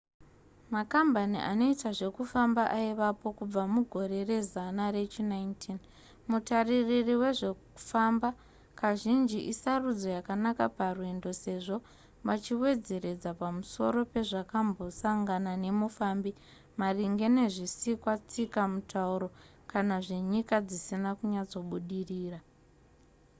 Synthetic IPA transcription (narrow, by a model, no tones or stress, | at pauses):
makambanḭʔa̰no̞itaʐe̞kufambaʔaiʋapo̞kub͡vamuɡʱo̞ɾe̞re̞zanaɾe̞t͡ʃinaintʰin | mutariririwe̞ʐe̞ku̥famba | kaʒind͡ʒiʔisarud͡zo̞jakanakaparwendo̞se̞ʐo̞ | ʋat͡ʃiwe̞d͡ze̞ɾe̞d͡zapamuso̞̰ɾo̞pe̞ʐakambo̞saŋɡanane̞mufaːmbi | mariŋɡe̞ne̞ʐisikwat͡sikamutʰauɾo̞ | kanaʐe̞ɲikad͡zisinakuɲad͡zo̞ɓuɗiriːra